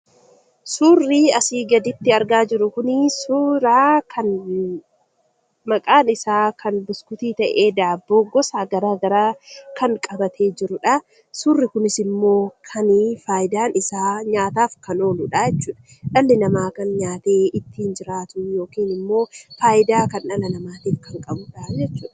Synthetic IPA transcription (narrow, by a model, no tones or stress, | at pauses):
suːrːiɐsiːɡɐd̪ɪt̪ːɪɐɾɡaːd͡ʒɪɾʊkʊnɪsuːɾaːkʰɐn | mɐkʼaːnɪsaːkʰɐnbʊskʊt̪iːt̪ɐʔeːd̪aːbːoːɡɔsaːɡɐɾaːɡɐɾaːkʰɐŋkʼɐbɐt̪ʰe̞ːd͡ʒɪɾʊᶑɐ | sʊrːɪkʊnɪsɪmːo̞ːkʰɐnfaːjɪd̪aːnɪsaːɲaːt̪aːfkɐno̞ːlʊᶑajɛt͡ʃːuːᶑɐ̥ | ᶑɐlːɪnɐmaːkɐnɲaːt̪eːɪt̪ːiːnd͡ʒɪɾaːt̪ʊnjo̞ːkiːnɪmːo̞ːfaːʔɪd̪aːkɐnᶑɐlɐnɐmaːt̪iːfkɐŋkʼɐbʊᶑad͡ʒɛt͡ʃːuːᶑɐɐ̥